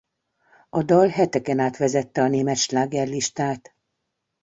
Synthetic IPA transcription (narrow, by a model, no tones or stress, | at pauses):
ɒd̪ɒlɦɛt̪ɛkɛnaːt̪ʋɛzɛt̪ːɛɒneːmɛt̪ʃlaːɡɛrliʃt̪aːt̪